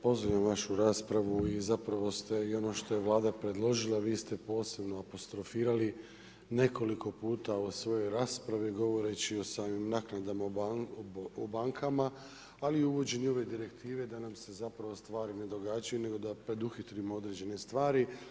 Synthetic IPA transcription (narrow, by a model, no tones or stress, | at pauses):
po̞zʋojamʋaʃuɾaːspɾaʋuizapɾaʋo̞st̪e̞io̞no̞ʃt̪o̞je̞ʋlˠaːd̪apɾe̞d̪lˠo̞ʒilˠaʋiːst̪e̞po̞ːse̞bno̞apo̞st̪ɾo̞fiːɾali | ne̞ko̞liko̞puːt̪aosʋo̞jo̞jɾaːspɾaʋiɡo̞ʋo̞ɾe̞t͡ɕio̞saːmimnaːknad̪ama | obaŋkʰamaː | liuʋo̞d͡ʑenio̞ʋe̞d̪iɾe̞kt̪ʰiːʋe̞d̪anamse̞zapɾaʋo̞st̪ʋaːɾine̞d̪o̞ɡaːd͡ʒajune̞ɡo̞d̪apɾe̞d̪uxit̪ɾimoo̞d̪ɾed͡ʑe̞ne̞st̪ʋaːɾi